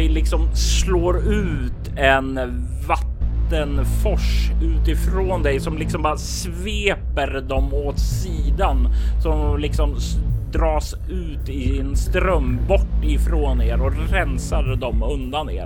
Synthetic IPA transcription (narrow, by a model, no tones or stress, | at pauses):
ɛlɪksɔmsloːɾʉ̟ːt̪ | ɛn | vat̪ːənfɔʂʉ̟ːt̪ɪfɾoːnd̪ɛjsɔmlɪksɔmbɑːɾas | veːpəɾd̪ɔmoːt̪siːd̪ansɔmlɪksɔmd̪ɾɑːs | ʉ̟ːt̪ɪːnst̪ɾœmːbɔʈːɪfɾoːneːɾɔɾɛnsaɾd̪ɔmɵnd̪anḛːɾ